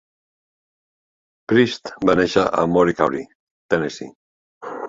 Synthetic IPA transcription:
pɾist̪baneʃaʔa̰moɾikawɾi | t̪enesḭ

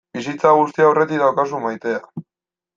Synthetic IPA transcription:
bis̬it͡saɣ̞ust̪iawre̞t̪iðd̪awkas̬umajt̪e̞a

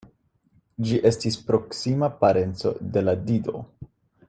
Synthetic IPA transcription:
d͡ʒiʔe̞stispɾo̞ksimapaɾe̞nt͡so̞̰de̞ladido̞̰

